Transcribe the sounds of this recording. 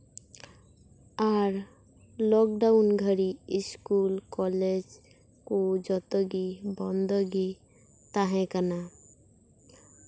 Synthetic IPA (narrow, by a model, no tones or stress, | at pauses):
aɾ | lɔk̚ɖaʊnɡʱəɾiɪskulkɔled͡ʒ | kod͡ʒɔt̪ɔɡibɔnd̪ɔɡi | t̪aɦɛ̃kəna